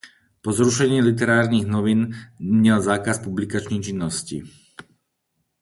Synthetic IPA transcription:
pɔzɾuʃɛɲɪiːlit̪̬ɛɾaːɾniɣnɔʋinmɲɛlzaːkaspublikat͡ʃnɛt͡ʃinːɔscḭ

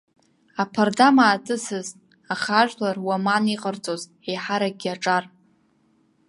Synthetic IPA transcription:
apʰardamaːtʼɨsɨztʼ | aχaʒᶣlarwamaniqʼərt͡sʼoz | ejħaɾaɡʲiaʈ͡ʂʼar

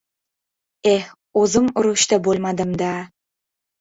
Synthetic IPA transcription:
e | ozəmʊɾuʃt̪ɑbolˠmɑd̪əmd̪ɑ

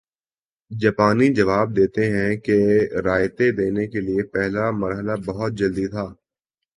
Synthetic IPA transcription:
d͡ʒɐːpaːnid͡ʒɐʋaːb̚d̪eːt̪eɦɛ̃keɾaːjt̪ed̪eːnekeliepɛɦlamɐɾɦəlabɐɦʊt̪̚d͡ʒɐld̪it̪ʰaː

